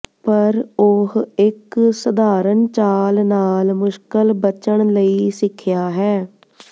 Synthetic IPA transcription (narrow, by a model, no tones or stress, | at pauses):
pəɾoɦɪksəd̪aːɾənt͡ʃaːlnaːlmʊʃkəlbət͡ʃəɳləiːsɪkʰːɪjaːɦɛː